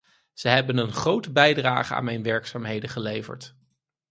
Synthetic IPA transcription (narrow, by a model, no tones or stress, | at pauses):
z̥əɦɛbənənχrowtəbɛjdra̰ːχəa̰ːnmɛjnʋɛɹksaːmɦejdəχəlejvə̰ɹt